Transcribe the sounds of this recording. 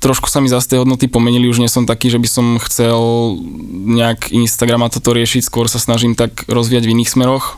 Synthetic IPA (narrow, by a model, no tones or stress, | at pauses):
t̪ɾɔʃku̥samizast̪ɛjɦɔd̪nɔt̪ipɔmɛɲiliuʒɲɪɛsɔmt̪akiːʒɛbisɔmxt͡sɛl | ɲɛakinst̪aɡɾamat̪ɔt̪ɔɾɪɛʃicskʊɔɾsasnaʒimt̪akɾɔzʋiːjaɟviniːxsmɛɾɔx